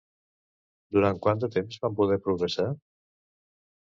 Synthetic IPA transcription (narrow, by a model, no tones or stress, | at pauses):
d̪uɾaŋkwand̪ət̪emzβampuð̞ɛɾpɾuɣɾesa